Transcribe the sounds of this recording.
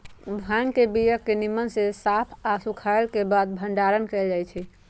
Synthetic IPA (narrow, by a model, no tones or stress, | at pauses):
bʱãŋkebijəkːenimənsesapʰasukʰaelkebad̪̚bʱəɳɖaɾənkeld͡ʒajt͡ʃʰɛ